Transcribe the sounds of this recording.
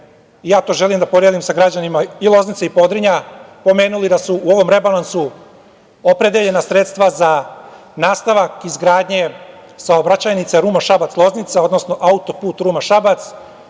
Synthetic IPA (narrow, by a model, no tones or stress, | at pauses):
ijaːt̪o̞ʒe̞limd̪apo̞d̪ɾjed̪imsaɡɾad͡ʑanimailˠo̞znit̪seipo̞d̪ɾiɲapo̞me̞ːnulid̪asuuoʋo̞mɾe̞balansu | opɾed̪eʎe̞nasɾet̪st̪ʋaza | naːst̪aʋakizɡɾaːd̪ɲe̞ | saobɾat͡ɕajnit̪seɾuːmaʃabat̪slˠo̞znit̪sao̞d̪nosno̞ʔaut̪o̞puːt̪ɾuːmaʃabat̪s